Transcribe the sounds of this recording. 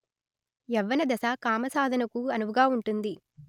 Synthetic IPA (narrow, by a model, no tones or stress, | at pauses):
ɛʋːɐnɐd̪ɐsaːkaːmɐsaːd̪ʱɐnɐkuɐnuʋɐɡaːuɳʈund̪i